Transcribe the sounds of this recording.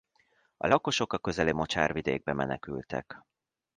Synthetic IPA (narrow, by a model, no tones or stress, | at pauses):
ɒ̰lɒko̞ʃo̞kɒkø̞zɛlimo̞t͡ʃaːrvid̪ḛːɡ̚bɛmɛnɛkylt̪ɛ̰k